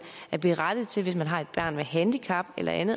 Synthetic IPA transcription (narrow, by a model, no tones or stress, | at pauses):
æɐb̥eʁad̥ð̩ˠt͡sʰe̝lʋe̝smænɦɑ̈e̝d̥b̥ɶɐ̰nmeɦænd̥ikʰɑ̈b̥elʔɐ̰ʔænð̩ˠ